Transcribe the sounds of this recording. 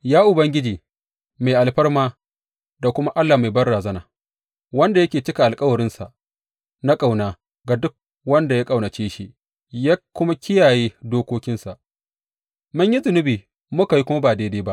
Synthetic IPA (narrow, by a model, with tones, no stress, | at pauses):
jaː˦ʔʊ˨bɐ˦ŋɡʲɪ˦d͡ʒiː˨ | ma˨ʔa˨lɸɐ˦rmaː˦ | da˨kʷʊ˦ma˦ʔa˦lːa˨ma˨jbɐ˦rɽaː˨zɐ˦naː˨ | wɐ˦nda˨jɐ˦kʲeː˨t͡ʃɪ˦ka˨ʔa˨lkʼɐ˦wɐ˨ɾɪ˦nsa˨ʔ | na˦kʼa˨wnaː˨ | ɡa˨dʊ˦k̚ | wɐ˦nda˨jaː˦kʼa˨wnɐ˨t͡ʃeː˦ʃi˦ | jaː˦kʷːʊ˦ma˦kʲɪ˦jaː˨jeː˦doː˦kʷoː˦kʲɪ˦nsa˨ʔ | mʊ˦ɲji˦zʊ˨nɪ˦biː˨ | mʊ˦ka˨ji˦kʷʊ˦ma˦baː˨deː˦deː˦ba˦ʔ